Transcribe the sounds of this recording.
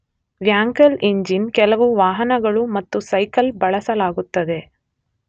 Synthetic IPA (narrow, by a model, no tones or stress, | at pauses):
ʋjaːŋkɐliɲd͡ʒinkɛlɐʋuʋaːɦɐnɐɡɐɭumɐt̪ːusɐjkɐlbɐɭɐsɐlaːɡut̪ːɐd̪e̞